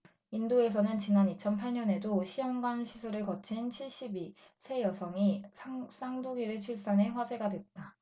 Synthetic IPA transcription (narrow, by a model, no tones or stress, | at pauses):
indoe̞s̬ʰʌnɯnt͡ɕinanit͡ɕʰʌnpʰaɭɲʌne̞doɕʰijʌŋɡanɕʰisʰuɾɯɭkʌt͡ɕʰint͡ɕʰiɭɕ͈ibi | sʰe̞jʌsʰʌŋiss͈aŋduɡiɾet͡ɕʰuɭs͈ane̞ɸwad͡ʑe̞ɡadwe̞t̚t͈a